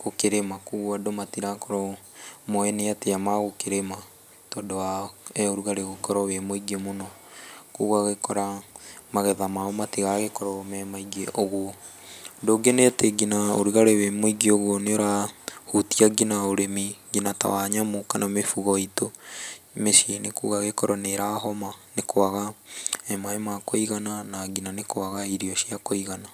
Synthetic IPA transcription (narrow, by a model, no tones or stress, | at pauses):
ɣokeɾemakuɣwadomatiɾakɔɾɔmɔɛneateamaɣokeɾema | tɔːdowaɛoɾuɣaɾeɣokɔɾɔwemoiɡemonɔkoɣwaɣekɔɾamaɣɛðamaomatiɣaɣekɔɾɔmɛmaiɡeʔoɣwɔ | doɡeneteɡinao̰ɾiɣaɾewemoiɡeoɣwɔneoɾahutiaɡinaoɾemiɡinata̰waɲamokanamefuɣɔito | meʃinekuːɣaɣekɔɾɔneɾaɦɔmanekoaɣaɛmaemakoiɣananaɡinanekowaɣaiɾiɔʃiakoiɣana